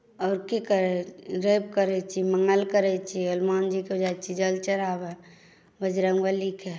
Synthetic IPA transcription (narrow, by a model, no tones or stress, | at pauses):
ɔːɾkikəɾɛɾep̚kəɾɛt͡ʃʰiməŋɡəlkəɾɛt͡ʃʰiəlmaːnd͡ʒiked͡ʒat͡ʃʰid͡ʒəlt͡ʃəɾaːbɛ | bəd͡ʒɾəŋʋəlikʰe